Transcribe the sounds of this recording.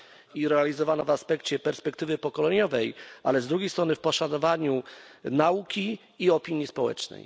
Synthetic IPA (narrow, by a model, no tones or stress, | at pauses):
iɾɛalʲizɔvanɔvaspɛkt͡ɕɛpɛɾspɛkt̪ɘvɘpɔkɔlɛɲɔvɛjʔalɛzd̪ɾuɡʲejst̪ɾɔnɘfpɔʂanɔvaɲunaukʲiː | ɔpʲiɲjispɔwɛ̰t͡ʂnɛ̰j